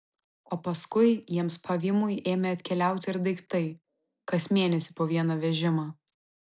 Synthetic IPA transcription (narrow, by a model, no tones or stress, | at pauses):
oːpɐskʊɪjiɛmspʰɐʋʲɪmʊjʔeːmʲɛɐt̪ʲkʲɛlʲæˑʊt̪ʲɪɪɾd̪ɐɪkt̪ɐɪ | kɐsmʲeːnʲɛsʲɪpoːʋʲiɛnɐːʋʲɛʒʲɪmɐ